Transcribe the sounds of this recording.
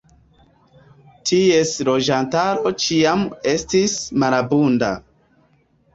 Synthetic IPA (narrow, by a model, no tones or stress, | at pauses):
tʰie̞slo̞d͡ʒantaɾo̞t͡ʃiame̞stismaɾabunda̰